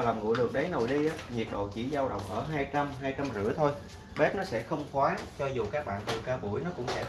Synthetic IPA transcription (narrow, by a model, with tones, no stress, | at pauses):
laː˨˩mŋṵ˧˨jɗɨ˨˩ək̚ɗə˨˦jno˨˩jɗi˧ʔaː˨˦ɲi˨˩ət̚ɗo̰˧˨t͡ɕḭ˧˩zaː˧wɗə̰˧˨wŋ͡mʔəː˧˩ɦaː˧jt͡ɕa˧mɦaː˧jt͡ɕa˧mzɨ̰˧˥ət̪ʰo˧j | ɓɛ˦˥p̚nɔ˨˦sɛ̰˧˥xə˧wŋ͡mkwaː˨˦t͡ɕɔ˧zu˨˩kaː˦˥k̚ɓa̰ː˧˨nt̪ɨ˨˩kaː˧ɓu˧˩əjnɔ˨˦kʊ̰˧˥ŋ͡msɛ̰˧˥